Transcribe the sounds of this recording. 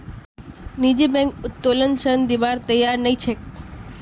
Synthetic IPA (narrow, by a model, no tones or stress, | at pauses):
nid͡ʒebɛ̃ŋkʊt̪ːolənsəɾənd̪iʋaɾt̪əjːaɾnəĩt͡ʃʰek